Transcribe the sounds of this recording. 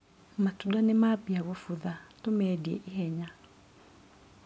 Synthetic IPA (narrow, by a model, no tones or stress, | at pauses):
matudanemaːpiaɣɔfuðatomɛdiɛ̰ʔihɛɲa